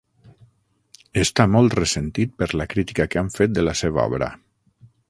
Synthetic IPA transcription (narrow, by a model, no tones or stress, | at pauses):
est̪amɔlˠt̪resent̪it̪̚pəɾlakɾit̪ikakeaɱfet̪̚d̪əlaseβaɔ̰βɾə̰